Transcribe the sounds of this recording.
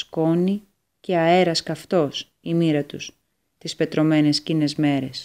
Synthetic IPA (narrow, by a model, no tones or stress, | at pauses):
sko̞ni | ce̞ɐe̞ɾɐskɐft̪o̞s | imiɾɐt̪ṵs | t̪ispe̞t̪ɾo̞me̞ne̞scine̞zme̞ɾe̞s